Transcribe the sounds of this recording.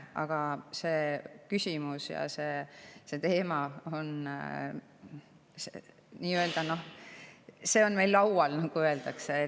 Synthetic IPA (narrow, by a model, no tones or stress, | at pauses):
ʔɑ̰ɡ̥ɑse̞ːkysʲimusjɑ̰se̞se̞t̪e̞ːmɑo̞n | sḛ | niːø̞ld̪̥ɑno̞h | se̞ːo̞nme̞jlːɑwwɑlnɑɡ̥uø̞eld̪̥ɑkse